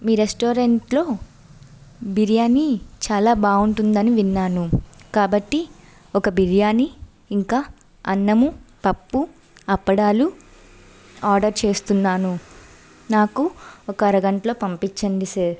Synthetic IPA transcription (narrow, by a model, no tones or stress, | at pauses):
miːɾesʈoːɾeɳʈlo̞ː | biɾjaːnit͡ʃaːlaːbaːuɳʈund̪ɐniʋinːaːnukaːbɐʈːi | ɔkɐbiɾijaːniː | ŋkaː | ɐnːɐmupɐpːu | ɐpːɐɽaːlu | aːɾɖɐɾt͡ʃe̞ːst̪unːaːnu | naːkuɔkɐɐɾɐɡɐɳʈɐlo̞ːpɐmpit͡ʃːɐɳɖiseːɾ